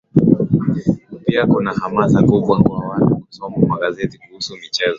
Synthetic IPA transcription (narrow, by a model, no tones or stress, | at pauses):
piakunahamasakuɓwakwawatukusɔmakwaɠazɛtikuhusumit͡ʃɛzɔ